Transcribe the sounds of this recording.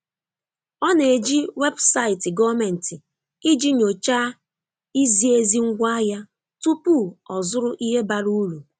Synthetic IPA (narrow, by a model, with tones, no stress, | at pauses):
ɔ˦ne˨d͡ʒi˦we˦bsa˦˨ɪ˨tɪ˨ɡɔ˦me˨n̩˨tɪ˨ | i˦d͡ʒi˦ɲo˨t͡ʃa˦ | i˦zi˦e˦zi˦ŋ̩˦ɡʷa˦ja˦ | tu˦pu˦˨ɔ˨zʊ˦ɾʊ˦ʔi˦ɦe˦ba˨ɾu˦lu˨